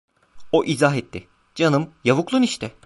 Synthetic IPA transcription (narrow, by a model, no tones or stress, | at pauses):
oʔizaɦɛt̪ːɪ | d͡ʒanɯmjavuklˠuniʃt̪ʰɪ